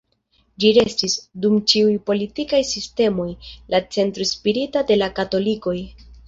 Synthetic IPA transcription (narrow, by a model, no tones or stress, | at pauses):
d͡ʒiɾe̞stisdumt͡ʃiujpo̞litikajsiste̞mo̞jlat͡se̞ntɾospiɾitade̞lakato̞liko̞j